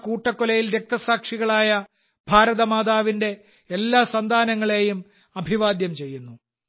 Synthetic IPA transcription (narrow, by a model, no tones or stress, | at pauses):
kuːʈːɐkːolɐjilɾe̞k̚t̪ɐsaːkʂiɣɐɭaːjɐ | bʱaːɾɐðɐmaːðaːʋinde̞ː | lːaːsɐnd̪ʱaːnɐŋːɐɭe̞ːjum | ɐbʱiʋaːd̪jɐmt͡ɕe̞jːunːu